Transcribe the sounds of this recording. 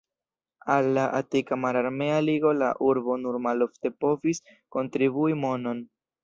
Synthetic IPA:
alːaʔatikamaɾaɾme̞aliɡo̞la̰ʔuɾbo̞nuɾmalo̞fte̞po̞visko̞ntɾibuimo̞no̞n

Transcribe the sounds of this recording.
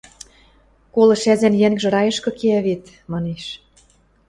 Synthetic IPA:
kolɤ̆ʃæzænjæŋɡʒɤ̆ɾɑjɤ̆ʃkɤ̆keæβet̪ | mɑneʃ

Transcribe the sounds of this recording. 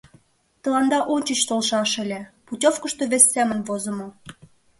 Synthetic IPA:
t̪ə̆lɑnd̪ɑʔonʲt͡ɕət͡ɕt̪olʃɑʃelʲeputʲofkə̆ʃt̪oβesʲːemə̆nβozə̆mo

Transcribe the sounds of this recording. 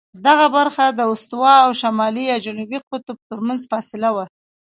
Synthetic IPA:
d̪aɣabaɾxad̪əʊst̪wɑawʃamɑlijɑd͡ʒanubiqʊt̪ʊb̚t̪əɾmanzfɑsɪlawa

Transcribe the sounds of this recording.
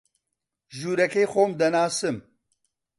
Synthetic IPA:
ʒuːɾɛkeːxoːmd̪ɐnaːsɨm

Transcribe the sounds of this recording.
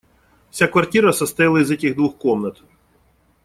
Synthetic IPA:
sʲakʋɐrtʲiɾɐsɐst̪ɪlˠɐizɛtʲiɣd̪ʋuxkɔmnɐt̪

